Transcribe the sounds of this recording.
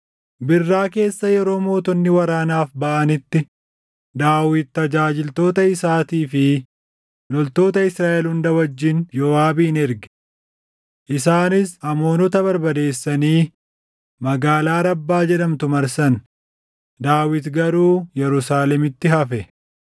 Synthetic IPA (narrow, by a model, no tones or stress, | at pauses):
bɪrːaːke̞ːsːɐjɛɾo̞ːmo̞ːt̪ɔnːɪwɐɾaːnaːfbɐʔɐnɪt̪ːɪ | d̪aːwɪt̪̚ːɐd͡ʒaːd͡ʒɪlt̪o̞ːt̪ɐɪsaːt̪iːfɪ | lɔlt̪o̞ːt̪ɐɪsɾaːʔɛlhʊnd̪ɐwɐd͡ʒːɪnd͡ʒɔːaːbiːnɛɾɡɛ̥ | ʔɪsaːnɪsɐmo̞ːnɔt̪ɐbɐɾbɐd̪e̞ːsːɐniː | mɐɡaːlaːɾɐbːaːd͡ʒɛᶑɐmt̪ʊmɐɾsɐn | d̪aːwɪt̪ɡɐɾuːjɛɾʊsaːlɛmɪt̪ːɪɦɐfɛ